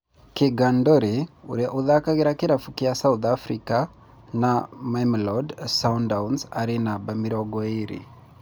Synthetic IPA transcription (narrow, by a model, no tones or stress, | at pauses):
keɡandɔɾeo̰ɾɛʔoðakaɣeɾakeɾafukiasauðafɾika | namajmilɔdsaundawnzaɾenabamiɾɔɡɔeɾḭ